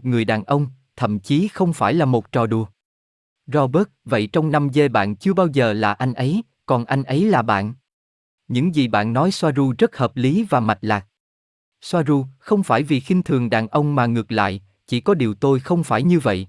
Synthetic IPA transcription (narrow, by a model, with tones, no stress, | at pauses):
ŋɨ˨˩əjɗaː˨˩nʔə˧wŋ͡m | t̪ʰə̰˧˨mt͡ɕi˨˦xə˧wŋ͡mfaː˧˩jlaː˨˩mo˨˩t̚t͡ɕɔ˨˩ɗu˨˩ə | zɔ˧ɓə˦˥t̚və̰˧˨jt͡ɕɔ˧wŋ͡mna˧mze˧ɓa̰ː˧˨nt͡ɕɨ˧əɓaː˧wzəː˨˩laː˨˩ʔa˧jŋ̟ʔə˨˦j | kɔ˨˩nʔa˧jŋ̟ʔə˨˦jlaː˨˩ɓa̰ː˧˨n | ɲɨ̰˧˥ŋzi˨˩ɓa̰ː˧˨nːɔ˨˦jswaː˧zu˧zə˦˥t̚həː˨˩p̚li˨˦vaː˨˩ma˨˩t̚laː˨˩k̚ | swaː˧zu˧xə˧wŋ͡mfaː˧˩jvi˨˩xï˧ŋ̟t̪ʰɨ˨˩əŋɗaː˨˩nʔə˧wŋ͡mmaː˨˩ŋɨ˨˩ək̚la̰ː˧˨j | t͡ɕi˧˩kɔ˨˦ɗi˨˩əwt̪o˧jxə˧wŋ͡mfaː˧˩jɲɨ˧və̰˧˨jʔ